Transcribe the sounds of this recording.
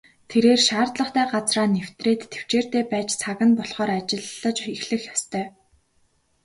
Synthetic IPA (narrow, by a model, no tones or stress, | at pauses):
t̪ʰeɾeːrʃaːrt̪ɮə̆χt̪æːɢat͡sraːnːewt̪reːt̪ʰːe̥w̥t͡ɕeːr̥t̪eːpæːt͡ɕt͡sʰaɣə̆npɔɮχɔːɾat͡ɕɪ̆ɮːə̆t͡ɕixɮɘ̆xjast̪ʰœː